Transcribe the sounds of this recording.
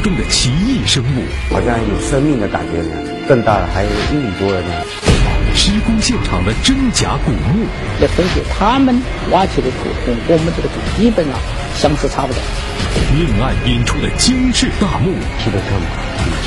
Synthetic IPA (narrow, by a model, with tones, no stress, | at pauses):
ʈ͡ʂʊ˥ŋd̪ə˨t͡ɕʰi˧˥i˥˩ʂɤ˥ŋṵ˥˩xɑ̰˨˩ɕɑ˥˧ŋ˥˩jo˨˩ʂə˥ŋmi˥˩ŋd̪ə˩t̪a̰˨˩t͡ɕɛ˧˥lə̰˧˥ | kə˥˧ŋt̪a̰˥˩d̪ə˩xa˧˥ɪjʊ˧˩i˥˩ni˨˩p̪wɔ˧˥ɻə˧˥nə˧ | ʂɻ̩˥kʊ˥ŋɕjɛ˥˩nʈ͡ʂʰɑ̰˨˩ŋd̪ə˦ʈ͡ʂə˥ŋt͡ɕja̰˧˥ku˨˩mu˥˩ | lə˧˩fə˥nɕɛ̰˨˩t̪ʰa˥mə˨n | wa˥t͡ɕʰi˨˩lə˧t͡sʰṵ˨˩kʰʊ˨˩ŋkm˥nʈ͡ʂɡə˧˩t͡su˨˩t͡ɕi˥pə˨˩nɐ̰˨ | ɕjɑ˥ŋʂɻ̩˥˩t͡sʰa˥pu˧˩t̪ɑ̰˨˩ʊ | mi˥˧ŋa˥˧ni˧˥nʈ͡ʂʰu˥˩d̪ə˩t͡ɕi˥nʂɻ̩˥˧t̪a˥˧mu˥˩ | i˧˥d̪ə˧t̪ʰə˥˩ma˨˩˥